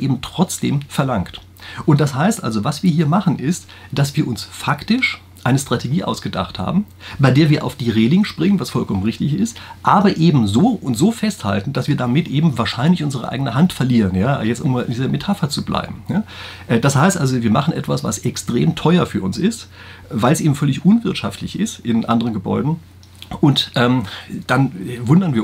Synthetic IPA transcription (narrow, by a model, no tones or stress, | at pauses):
ʔeːbm̩tʁ̥ɔt͡sd̥ḛːmfɛɐlaŋkt | ʔʊntd̥ashaɪstʔa̰lzovasv̥iːɐɦiːɐmaχn̩ʔɪst | d̥asv̥iːɐʔʊnsfaktɪʃ | ʔaɪnəstʁ̥atʰeɡiːʔa̰ʊsɡ̥əda̰χtha̰ːbm̩ | baɪdeːɐviːɐʔa̰ʊfd̥iːʁeːlɪŋʃpʁ̥ɪŋənvasfɔlkʰɔmənʁɪçtɪçɪstʔaːbɐʔeːbm̩zoːʊntz̥oːfɛstha̰ltn̩d̥asv̥iːɐdamɪtʔeːbm̩vaːɐʃaɪnlɪçʔʊnzəʁə̰ʔa̰ɪɡənəɦantfɛɐliːʁənjaːjɛt͡stʔʊmaːlʔɪ̰ndiːzɐmetʰafɐt͡sublʔa̰ɪbm̩jaː | ʔɛːd̥ashaɪstʔalzoviːɐmaχn̩ʔɛ̰tv̥asv̥a̰sɛkstʁ̥eːmtʰɔʏɐfyːɐʊnsɪst | vaɪlsʔeːbm̩fœlɪçʔʊnvɪɐtʃa̰ftlɪçɪstʔɪnʔa̰ndəʁənɡəbɔ̰ʏdn̩ | ʔʊntʔɛːmd̥anvʊndɐnviːɐ